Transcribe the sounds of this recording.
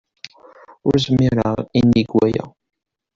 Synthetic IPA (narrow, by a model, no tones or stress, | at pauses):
ʊɾsəmːiɾaʁinːiɡwæjæ̰